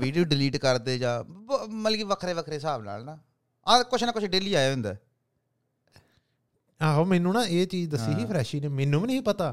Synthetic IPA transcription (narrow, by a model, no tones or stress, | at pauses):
ʋiːɖijoːɖɪliːʈkəɾd̪eːd͡ʒãːməlːɡiːʋəkʰɾeːʋəkʰɾeːsaːbna̰ːlnaː | aːkʊt͡ʃʰnãːkʊt͡ʃʰɖeːliːaːeːɦʊ̃nd̪a̰ː | aːɦoːmɛːnũːnãːeːt͡ʃiːd͡ʒd̪əsːiːɦiːpʰɾɛːʃiːneːmɛːnːũːʋiːnəiːpət̪aː